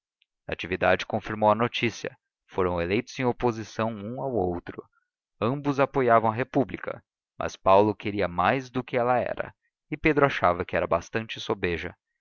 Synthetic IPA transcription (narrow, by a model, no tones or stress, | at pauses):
at͡ʃivid̪ad͡ʒɪkõfiɾmowɐnot͡ʃisiɐ̰ | foɾɐ̃w̃elejt̪ʊz̥ẽj̃opozisɐ̃w̃ũawowt̪ɾʊ | ɐ̃mbʊzapojavɐ̃w̃ɐɦepublikɐ̰ | mʔɐ̰spawlʊkeɾiɐmajzd̪ʊkɪɛlɐɛ̰ɾɐ̰ | ɪped̪ɾʊaʃavɐkɪɛɾɐbast̪ɐ̃nt͡ʃɪsobeʒɐ̰